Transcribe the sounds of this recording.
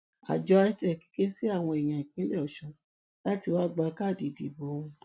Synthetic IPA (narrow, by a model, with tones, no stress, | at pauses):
a̰˨d͡ʒɔ˨˦a˦tɛ˦˨ki̥˨˦ke˦si˦a˦˨w̃ɔ̃˧e˨j̃ã˨ĩ˨kĩ˨˦lɛ˦ɔ˨ʃɔ̃˧˦ | la˦ti˧wa˦ɡ͡ba˧˦ka˦˨di˨di˨bo˨˦ũ˧